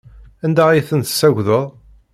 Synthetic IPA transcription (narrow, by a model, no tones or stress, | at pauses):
ænd̪æiθənt̪ə̥sːæʝʷðəðˤ